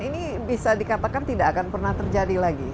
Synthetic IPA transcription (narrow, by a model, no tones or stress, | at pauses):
ini | bisadikat̪akant̪idaʔːkanpərnaht̪ərd͡ʒadilaɡi